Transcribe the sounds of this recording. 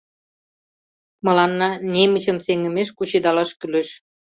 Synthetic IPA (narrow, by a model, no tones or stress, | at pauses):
mɤ̆lɑnːɑnemə̆ɕə̆mseŋə̆meʃkut͡ɕid̪ɑlɑʃkyleʃ